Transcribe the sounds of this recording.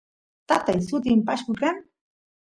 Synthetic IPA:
t̪at̪ajsʊt̪̬ɪmpaʃkʊkan

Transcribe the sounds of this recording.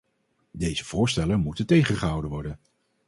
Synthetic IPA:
dejz̥əv̥ʊːɹstɛləmutəntejχəχəɦɑwdəʋɔɹdən

